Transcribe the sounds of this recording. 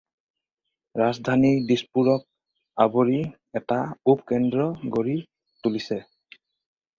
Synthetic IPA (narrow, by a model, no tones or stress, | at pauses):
ɹazd̪ʱanidispuɹɔk̚ | aboɹi | ɛtaupkɛndɹɔɡoɹi | tulisɛ